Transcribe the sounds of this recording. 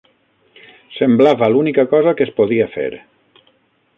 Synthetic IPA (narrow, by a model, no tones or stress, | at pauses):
semblaβalunikakɔzakespoðiafḛɾ